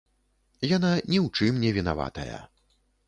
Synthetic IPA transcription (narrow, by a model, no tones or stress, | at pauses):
jananʲɛwt͡ʂɨmnʲɛvʲina̰va̰t̪ɐ̰jɐ̰